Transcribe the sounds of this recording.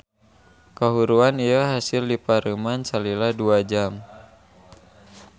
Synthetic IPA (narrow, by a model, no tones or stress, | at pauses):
kaɦuɾuanijaɦasildipaɾəmansaliladuad͡ʒam